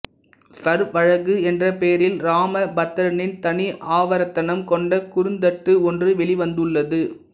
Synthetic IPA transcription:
sɐɾʋɐɻɐɣɯɛndrɐpeːɾɪlɾaːmɐbɐt̪ːɐɾɐnɪnt̪ɐniʔaːʋɐɾɐt̪ːɐnɐmkɔɳɖɐkʊɾɯnd̪ɐʈːɯɔndrɯʋɛɭɪʋɐnd̪ɯɭːɐðɯ

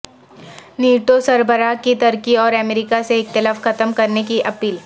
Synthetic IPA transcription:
niːʈosɐɾbəɾakit̪ɐɾkiɔːɾɛmeɾikaseɪkt̪ɪlaːfxɐt̪əmkɐɾnekiʔɐpiːl

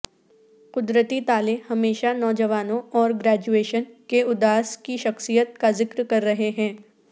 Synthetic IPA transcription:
qʊd̪ɾət̪it̪aːlehɐmeːʃanɔːd͡ʒəʋaːnõɔːɾɡɾɛːd͡ʒueːʃənkeʊd̪aːskiʃɐxsijət̪̚kazɪkɾkɐɾːɐɦeɦɛ̃ː

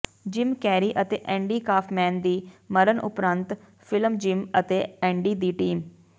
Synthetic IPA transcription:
d͡ʒɪmkɛːɾiːʔət̪eːʔɛ̃ːɳɖiːkaːpʰmɛ̃ːnd̪iːməɾənʔʊ̰pɾənt̪ | fʰɪlmd͡ʒɪmət̪eːɛ̃ːɳɖiːd̪iːʈiːm

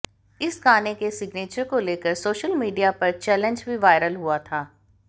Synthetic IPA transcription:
ɪsɡaːnekesɪɡneːt͡ʃəɾkoleːkəɾsoːʃəlmiːɖijapɐɾt͡ʃɛːlə̃ɲd͡ʒbʱiʋaːɪɾəlɦuat̪ʰaː

